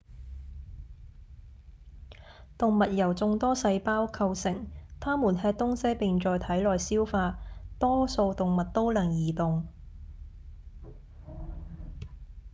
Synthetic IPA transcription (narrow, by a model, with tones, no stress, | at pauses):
t̪ʊ˨ŋmɐ˨t̚jɐ˨˩wt͡sʊ˨˧ŋt̪ɔː˥sɐ˧jpaː˥wkʰɐ˧wsɪ˨˩ŋt̪ʰaː˥muː˨˩nhɛː˧k̚t̪ʊ˥ŋsɐ˥jpɪ˨ŋt͡ʃɔː˨jt̪ʰɐ˨˥jlɔː˨jsiː˥wfaː˧t̪ɔː˥so˧wt̪ʊ˨ŋmɐ˨t̚t̪o˥wlɐ˨˩ŋjiː˨˩t̪ʊ˨ŋ